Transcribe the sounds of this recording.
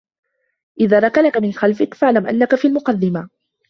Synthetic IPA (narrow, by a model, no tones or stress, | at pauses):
ʔɪðaːɾˤɑkalakamɪnxalfɪkfaʕlamʔa̰nːakafiːalmʊqɑd̪ːɪma